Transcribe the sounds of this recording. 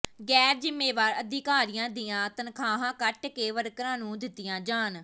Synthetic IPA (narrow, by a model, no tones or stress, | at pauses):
ɡɛːɾd͡ʒɪmːeːʋaːɾəd̪ɪkaːɾijãːd̪ɪjãːt̪ənkʰaːɦãːkəʈkeːʋəɾkɾãːnũːd̪ɪt̪ːɪjãːd͡ʒaːn